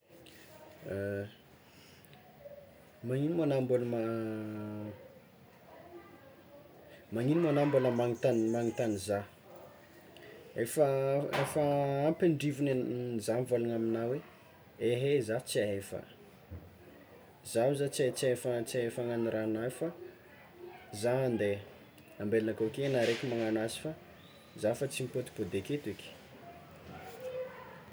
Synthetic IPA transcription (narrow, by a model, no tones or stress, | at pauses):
maŋinimanambulma | maɲinimanambuləmaŋit̪anmaŋit̪aniza | efaefəampeɳɖ͡ʐivinnzamvalaŋaminawe | eɦezat͡siaefə̰ | zauzat͡siat͡siefat͡siaefaŋaniɾanafa | zand̪e | ambelinakokenaɾekimaŋanwazi̥fa | zafat͡simipot̪i̥pod̪eket̪ikʲi̥